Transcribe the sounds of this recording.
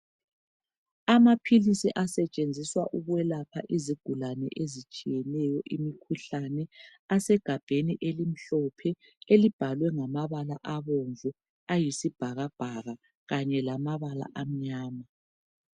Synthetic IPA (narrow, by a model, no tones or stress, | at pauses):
amapʰilisiʔasɛt͡ʃʼend͡zʱiswaʔuɣwɛlapʰaʔiziɡ̥ʱulanɛ̰ʔezit͡ʃʼijɛnɛjɔʔimikʰuɬanɛasɛɡ̥ʱab̥ʱeniʔelim̩ɬɔpʰɛ | elib̥ʱalwɛŋamaβalaʔaβoɱvu | ajisib̥ʱaɣab̥ʱaɣa | ɣaɲɛlamaβala̰ʔam̩ɲaːma